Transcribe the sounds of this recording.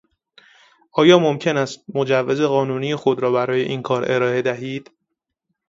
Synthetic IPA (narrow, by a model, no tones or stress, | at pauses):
ʔɒːjɒːmo̞mcʰe̞næst̪̚mo̞d͡ʒævːeze̞ɣɒːnuːnijexo̞d̪ɾɒːbæɾɒːje̞ʔiːnkʰɒːɾʔe̞ɾɒːe̞d̪æɦiːd̪̥